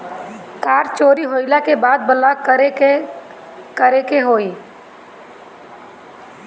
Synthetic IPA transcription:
kaːɾt͡ʃoːɾiɦoɪlakebaːd̪̚bəlakəɾe | kəɾekeɦoːi

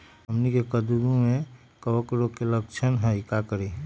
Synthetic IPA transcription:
ɦəmnikekəd̪uɾũmẽ | kəwəkɾokeləkt͡ʃʰənɦəikakəɾi

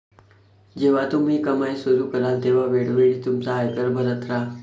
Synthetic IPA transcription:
d͡ʑeʋ̤at̪um̤iːkəmajsuɾukəɾat̪eʋ̤aʋeɽʋeɽit̪umt͡saːjkəɾbʱəɾət̪ʰɾa

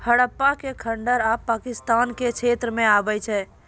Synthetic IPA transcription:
həɽəpːakekʰəɳɖəɾapːakist̪anket͡ʃʰet̪ɾəmẽabɛt͡ʃʰɛ

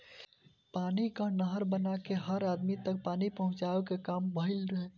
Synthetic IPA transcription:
panikənəɦəɾbənakeɦəɾad̪mit̪ək̚panipəɦʊ̃t͡ʃaekekambəɦilɾəɦe

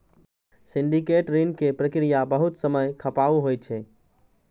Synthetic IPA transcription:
siɳɖikeʈɾenkepɾəkɾijabəɦut̪səməjkʰəpauɦoj̚t͡ʃʰɛ

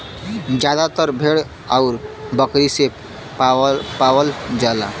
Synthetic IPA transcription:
d͡ʑad̪at̪əɾbʱeɽ | awɾbəkɾise | paʋəld͡ʒala̰

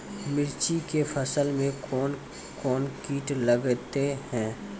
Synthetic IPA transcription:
mɪɾt͡ʃikefʰɐsəlmẽkɔːn | kɔːnkiːʈləɡt̪ehɛ̃ː

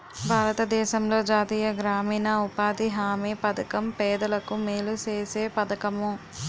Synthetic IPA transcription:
bʱaːɾɐt̪ɐd̪ɛːʃɐmlo̞ːd͡ʒaːt̪iːjɐɡɾaːmiːnɐupaːd̪iɦaːmeːpɐd̪ɐkɐmpɛːd̪ɐlɐkumeːlut͡ʃeːseːpɐd̪ɐkɐmu

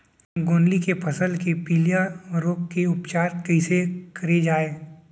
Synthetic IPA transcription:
ɡoːnlikepʰɐsəlkepiːljaɾoːkkeʊpt͡ʃaːɾkɛɪsekɐɾed͡ʒaːeː

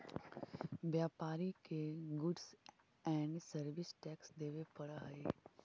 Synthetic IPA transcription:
ʋjaːpaːɾikeɡʊɖs | ɛ̃ːɳɖsəɾʋɪsʈɛːksd̪eːʋepɐɽaɦeː

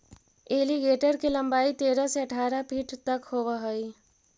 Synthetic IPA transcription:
eːliɡeːʈəɾkelɐ̃mbaːit̪eːɾaseɐʈʰaːɾapʰiʈt̪ɐkhoːʋaɦoi

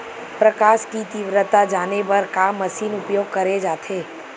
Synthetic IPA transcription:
pɾəkaːʃkit̪ɪʋɾət̪ad͡ʒaːnepɐɾkamːɐʃiːnʊpjoːɡ̚kɐɾed͡ʒaːt̪ʰeː

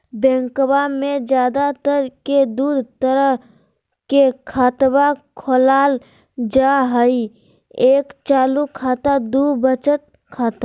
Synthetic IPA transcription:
bɛ̃ŋkwamẽd͡ʒjaːd̪at̪əɾked̪uːd̪ʱt̪əɾəɦ | kekʰaːt̪bakʰoːlaːl | d͡ʒaɦəi | eːkt͡ʃaːlukʰaːt̪ad̪ubət͡ʃət̪̚ | kʰaːt̪a

